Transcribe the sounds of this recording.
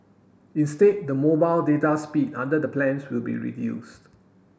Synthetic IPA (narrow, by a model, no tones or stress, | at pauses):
ĩnstet̚dəmobaɪldetaspidã̰ndədəplɛ̃nswilbḭɹḭdjṵst